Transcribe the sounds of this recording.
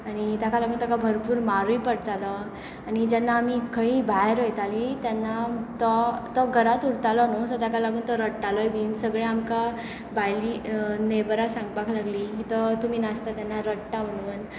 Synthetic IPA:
añit̪akalaɡuːnt̪akabʱəɾpuːɾmaɾujpəɽt̪alɔ | anid͡ʑɛnːaːmikʰəĩbʱajɾɔjt̪alit̪janːat̪ɔt̪ɔɡʱəɾat̪uɽt̪alɔnɔsɔt̪akalaɡuːnt̪ɔɾəɽʈalɔjbʱiːnsəɡɭeamka | bajliːnebɾasãŋɡbaklaɡliːkit̪ɔt̪umiːnast̪at̪janːaɾəɽʈaʋəɽ̃uːn

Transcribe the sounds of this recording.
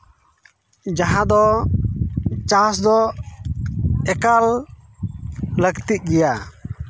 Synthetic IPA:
d͡ʒaɦãd̪ɔ | t͡ʃasd̪ɔ | ɛkal | ləɡt̪iʔ̚ˀɡɛja

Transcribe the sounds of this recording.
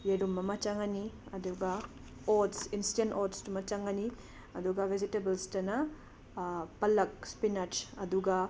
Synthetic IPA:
jeɾumːɐmɐt͡ʃaŋɐniɐduɡɐ | odsinsi̥enoɾdstumɐt͡ʃaŋɡɐni | ɐduɡɐbʱizitebɐlstɐnɐ | pɐlɐk̚spinɐɾd͡ʒɐduɡɐ

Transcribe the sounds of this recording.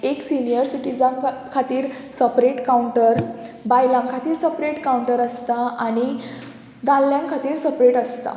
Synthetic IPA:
eksinijəɾsiʈid͡zãŋkʰːat̪iːɾsəpɾeʈkauɳʈəɾbajlãŋkʰat̪iːɾsəpɾeʈkawuɳʈəɾəst̪aʔañi | d̪ãlːjãŋkʰat̪iːɾsəpɾeʈəst̪a̰

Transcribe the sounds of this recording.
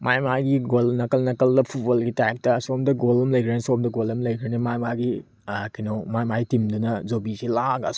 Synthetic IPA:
majmajɡiɡolnɐkɐlnɐkɐldɐpʰubɐlɡitajk̚tɐːsomdɐɡolɐmlɐjkʰɾenisomdɐɡolɐmlɐjkʰɾenimajmaɡi | kinomajmajtimdunɐd͡ʒobisilaɡɐ̰s

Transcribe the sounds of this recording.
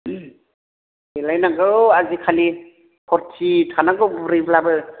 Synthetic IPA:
ilajnaɡɯazikʰali | pʰɔɾtʰitʰanaɡɯwbɾiblabɯ

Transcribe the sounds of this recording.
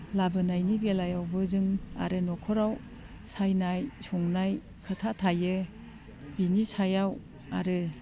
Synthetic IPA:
labɯnajnibelajawbɯzɯŋa̰ɾɯnɔkʰɔɾaw | sajnajsuŋnaj | kʰətʰatʰajɯ | binisajaw | aɾɯ

